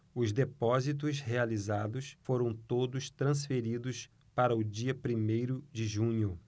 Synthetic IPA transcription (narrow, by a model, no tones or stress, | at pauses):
ʊzd̪epɔzit̪̬ʊshealizad̪ʊsfoɾɐ̃w̃t̪od̪ʊst̪ɾɐ̃sfeɾid̪ʊs | paɾɐʊd͡ʒiɐpɾimejɾʊd͡ʒɪʒũɲʊ